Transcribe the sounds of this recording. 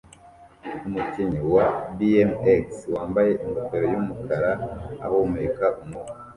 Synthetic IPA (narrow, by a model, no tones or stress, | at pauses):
umuciɲiwabiemekswaːmbaje̞ʔiŋɡokeɾojumukʰaɾaa̰houmeikaʔumŋu